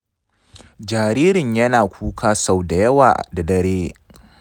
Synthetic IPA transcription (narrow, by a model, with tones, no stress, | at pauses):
d͡ʒaː˨ɾiː˦ɾɪ˨ɲjɐ˦naː˨kʷʰuː˦kʰaː˦sa˨wda˨jɐ˦wa̰ː˨da˨dɐ˨ɾeː˦